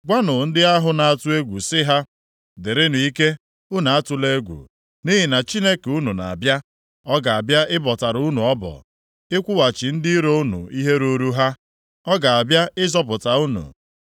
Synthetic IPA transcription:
ɡʷa˦nʊ˨n̩˦dɪ˦a˦ɦʊ˨na˨a˦tʊ˦e˦ɡʷu˨sɪ˦ɦa˦ | dɪ˨ɾɪ˦nu˨i˦ke˦ | ʊ˦na˨a˦tʊ˦le˦ɡʷṵ˨ | ni˦ɦɪ˨na˨t͡ʃi˦ne˦ke˨u˦nu˨na̰˨a˨bja˦ | ɔ˦ɡa˨a˨bja˦ʔɪ˦bɔ˨ta˨ɾu˦nu˨ɔ˦bɔ̰˨ | ɪ˦kʷʊ˦wa˨t͡ʃɪ˨n̩˦dɪ˦ɾo˦u˦nṵ˨i˦ɦe˦ɾo˦ɾu˦ɦa˦ | ɔ˦ɡa˨a˨bja˦ɪ˦zɔ˦pʊ˨ta˨u˦nṵ˨

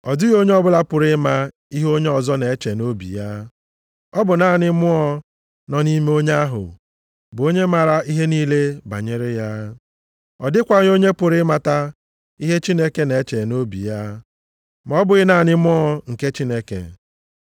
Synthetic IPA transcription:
ɔ˨dɪ˦ɣo˦ɲe˦ɔ˦bʊ˦la˦pʊ˨ɾɪ˦ma˦ | i˦ɦo˦ɲe˦ɔ˨zɔ˦ne˨˦t͡ʃe˨no˦bḭ˨ja˦ | ɔ˦bʊ˨na˨nɪ˦mʊ˦ɔ˦ | nɔ˨ni˦me˦o˦ɲe˦a˦ɦʊ̰˨ | bʊ˨o˦ɲe˦ma˨ɾa˦i˦ɦe˦niː˦le˦ba̰˨ɲe˦ɾe˦ja˦ | ɔ̰˨dɪ˦kʷa˨˦ɲ˦o˦ɲe˦pʊ˨ɾɪ˦ma˦ta˦ | i˦ɦe˦t͡ʃi˦ne˦ke˦ne˨e˦t͡ʃe˨no˦bḭ˨ja˦ | m˨ɔ˦bʊ˨ɣɪ˦na˨nɪ˦mʊ˦ɔ˦ŋ̩˨ke˦t͡ʃi˦ne˦kḛ˨

